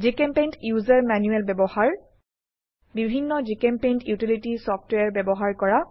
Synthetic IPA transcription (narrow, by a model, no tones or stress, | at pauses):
d͡ʒikempentjuzaɹmanjuɛlbɛbɔhaɹ | bibʱinːɔd͡ʒikempentjutilitisɔpʰtweaɹbɛbɔɦaɹkɔɹa